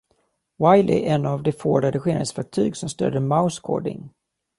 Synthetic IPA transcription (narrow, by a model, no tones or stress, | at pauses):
wajlɪ̰ʔɛnavd̪ɛfoːɾad̪ɪɧeːnəd̪svæɾk̚t̪ʰyːɡsɔmst̪ø̰ːɖ̪əmaʊskʰo̰ːɖɪ̰ŋ